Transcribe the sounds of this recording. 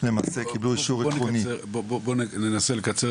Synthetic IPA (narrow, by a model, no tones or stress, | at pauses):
le̞ma̰ːse̞kibluiʃuʁiunibobobonenenaselekat͡se